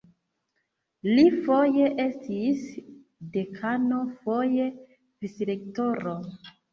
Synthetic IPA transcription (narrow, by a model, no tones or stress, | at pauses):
lifo̞jeʔe̞stis | de̞kʰano̞fo̞je̞ | visɾek̚toɾo